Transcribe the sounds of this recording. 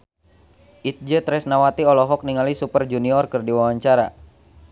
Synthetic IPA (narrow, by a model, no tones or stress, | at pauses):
ʔit̪̚d͡ʒət̪ɾɛsnawat̪iɔlɔɦɔk̚niŋalisupərd͡ʒuniɔrkərdiwawaɲt͡ʃaɾa